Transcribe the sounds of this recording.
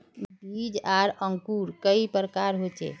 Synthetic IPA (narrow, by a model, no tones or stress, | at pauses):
bʱid͡ʒaɾəŋkuɾkəipɾəkaɾɦot͡ʃḛ